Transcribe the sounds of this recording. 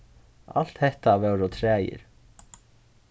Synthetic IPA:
a̰l̥t̪hɛht̪avɛwɾɔt̪ʰɾɛːjɪ̰ɾ̥

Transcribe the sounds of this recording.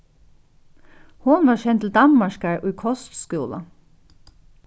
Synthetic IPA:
hʊnʋɑːʃɛnt̪ʰl̩d̪ɑmmɑʃkæɹʔʉːkʰɔst̪skʉːlə̰

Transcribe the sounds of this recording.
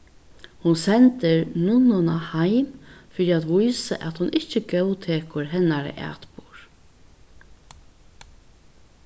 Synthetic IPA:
hʊnsɛnt̪ɪɾnʊnɔnahajmfɪɾiat̪ʋʊjsa̰ʔæt̪hʊnʔɪht͡ʃəɡɛwt̪ʰeːkʊɾɦɛnːaɾə̰ʔæ̰ːt̪puɹ

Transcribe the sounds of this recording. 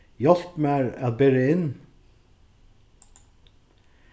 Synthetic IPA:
jɑlpmæːɾɑt̪̚beːɾəɪn

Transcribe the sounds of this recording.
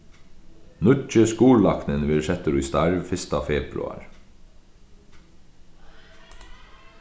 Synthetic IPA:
nʉt͡ʃəskuːɹlɑknənʋɪɾʃɛt̪əɾuːist̪æɹʋfɪst̪ɑfeːbɾʉ̰ɑ̰ɹ

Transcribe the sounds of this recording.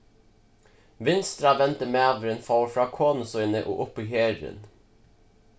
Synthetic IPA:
ʋɪnst̪ɾɑʋɛnt̪əmeːʋɾənfɑːɾfɾɑːkʰoːnʊsɔɪnəʔo̰ːʔʊpiːheːɾə̰n

